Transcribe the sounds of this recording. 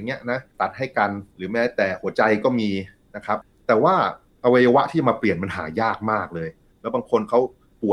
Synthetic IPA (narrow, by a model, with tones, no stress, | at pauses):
ŋːi˦˥ɐʔna˦˥t̪a˨˩t̪̚ha˥˩jka˧nɾɯː˩˦mɛː˦˥t̪ɛː˨˩hu˩˦ɐt͡ɕa˧jkɔː˥˩miː˧ | na˦˥kʰa˦˥p̚t̪ɛː˨˩waː˥˩ | ʔa˧wa˧jaː˧wa˦˥ʔt̪ʰiː˥˩t͡ɕa˨˩maː˧pli˨˩ənpa˧nɦa̰ː˩˦jaː˥˩k̚maː˥˩k̚lɤː˧j | lɛː˦˥wbaː˧ŋkʰo˧nkʰa˦˥w | pu˨˩ə